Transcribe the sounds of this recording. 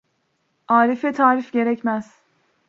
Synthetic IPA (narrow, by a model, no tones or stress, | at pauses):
aːɾifɛt̪ʰaːɾifɟe̞ɾɛcmæz̥